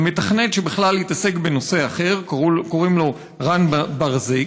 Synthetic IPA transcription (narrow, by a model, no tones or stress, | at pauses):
metaχnetʃebiχlalhitase̞kbe̞no̞se̞aχe̞ʁkoʁimlo | ʁanbaʁzi